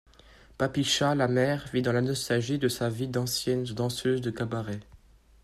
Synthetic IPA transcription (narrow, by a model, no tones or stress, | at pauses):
papiʃalamɛʁvid̪ɑ̃lanɔst̪alʒid̪əsavid̪ɑ̃sjɛnd̪ɑ̃søzd̪əkabaʁɛ